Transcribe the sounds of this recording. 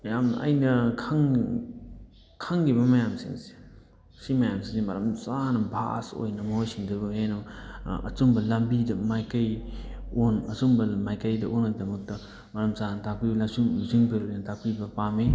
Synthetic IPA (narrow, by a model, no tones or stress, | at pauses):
mɐjamnɐʔɐ̰jnɐkʰaŋ | kʰaŋɡibɐmɐjamsḭŋze̥ | simɐjamsiŋsemɐɾɐmsanɐbʱa̰so̰jnɐmɐɦojsiŋdɐbɐhenoɐ̰sumbɐlɐmbidɐmajkaj | onɐsumbɐmajkajdɐʔonːɐdɐmɐk̚tɐ | mɐɾɐmsanɐtakpibɐlasuŋuziŋbeɾojnɐtʰapibɐpami